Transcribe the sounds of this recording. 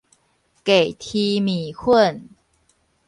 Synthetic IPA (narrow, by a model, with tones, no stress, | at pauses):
ke˨˩jt̪ʰi˧mi˨˩˦kʰə˥˩ən